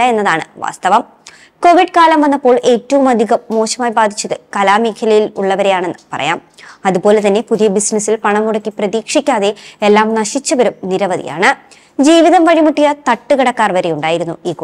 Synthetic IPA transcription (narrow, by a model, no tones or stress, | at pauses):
ɐe̞nːɐðaːɳɨʋa̰ːst̪ɐʋɐm | ko̞ʋiɖkaːlɐmʋɐnːɐpːo̞ːɭe̞ːtːɐʋumɐd̪ʱiɣɐmːo̞ːɕɐmaːjbaːd̪ʱit͡ɕːɐðɨkɐlaːmiːkʰjɐlɐjiluɭːɐʋɐɾe̞jaːɳe̞nːɨpɐrɐ̰jaːmɐðupo̞ːle̞t̪ɐnːe̞puðijɐbisnɐsːilpɐɳɐmuɽɐkːiprɐðiːkʂikʲːaːðe̞elːaːmnɐɕit͡ɕːɐʋɐɾumniɾɐʋɐðḭja̰ːɳɨ | d͡ʑiːʋiðɐmʋɐɻimuʈːijɐt̪ɐʈːuɣɐɽɐkːaːrʋɐɾejuɳɖaːjiɾunːuiːk